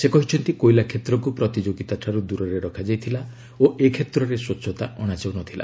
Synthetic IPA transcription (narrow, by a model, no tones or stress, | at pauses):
sekɔɦit͡ʃʰɔnt̪ikojlakʰet̪ɾɔkupɾɔt̪id͡ʒoɡit̪aʈʰaɾud̪uɾɔɾeɾɔkʰad͡ʒajt̪ʰila | oekʰet̪ɾɔɾesotːʃʰɔt̪aʔɔɽ̃ad͡ʒawnɔt̪ʰila̰